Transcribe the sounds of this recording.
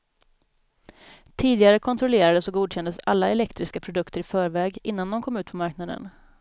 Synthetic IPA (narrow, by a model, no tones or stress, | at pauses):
t̪ʰiːd̪ɪɡaɾəkʰɔnt̪ɾʊleːɾad̪əsɔɡuːd̪ɕɛnd̪əsalːaɛlɛkt̪ɾɪskapʰɾʊd̪ɵkt̪əɾɪfœːɾvɛːɡɪnːand̪ɔnkʰɔmːʉ̟ːt̪pʰɔmaɾknad̪ə̰n